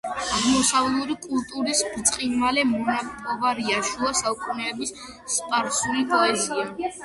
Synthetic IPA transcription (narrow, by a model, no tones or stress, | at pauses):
aʁmɔsavlˠuɾikʼulˠt̪ʼuɾisbt̪sʼqʼinvalɛmɔnapʼɔvaɾiaʃuasalˠkʼunɛːbisː | pʼaɾsulipʼɔɛzia